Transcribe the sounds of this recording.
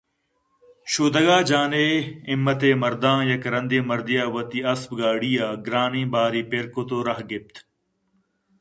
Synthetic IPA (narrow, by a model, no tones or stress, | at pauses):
ʃuːd̪ɐɡaːd͡ʒaːneːɪmːɐt̪eːmɐɾd̪ãːjɐkɾɐ̃nd̪iːmɐɾd̪ijaːʋɐt̪iːɐsbɡaːɽiːaːɡɾaːnĩːbaːɾiːpeɾkot̪oːɾɐɦɡɪp̚t̪